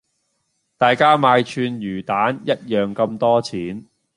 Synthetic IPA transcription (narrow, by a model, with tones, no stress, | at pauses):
t̪aː˨jkaː˥maː˧jt͡ʃʰyː˧njyː˨˩t̪aː˨˦˥njɐ˥t̚jœː˨ŋkɐ˧mt̪ɔː˥t͡sʰiː˨˥n